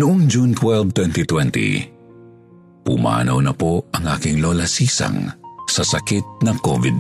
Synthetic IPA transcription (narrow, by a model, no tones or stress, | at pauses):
nʊʔoŋd͡ʒunt̪wɛlvt̪wɛnt̪it̪wɛnt̪ḭ | pʊma̰ːnɐwnɐpoʔɐŋʔa̰ːkɪŋlolɐsiːsɐ̰ŋsɐsɐkit̪̚nɐŋkovɪd̪̚